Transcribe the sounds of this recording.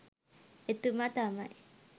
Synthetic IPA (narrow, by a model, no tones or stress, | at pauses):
et̪umat̪amaʔi